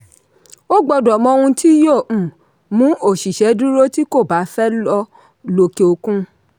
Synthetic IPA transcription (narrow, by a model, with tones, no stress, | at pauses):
o˦ɡ͡bɔ˧dɔ˨mɔ̃˧˦˧hũ˧tʰi˦jõ˦˨ | mũ˨˦ʔo˦˨ʃi˨ʃɛ˨˦du˦ɾo˦ti˦ko˦˨ba˨˦fɛ˦lɔ˧ | lo˧ke˧o˧kũ˦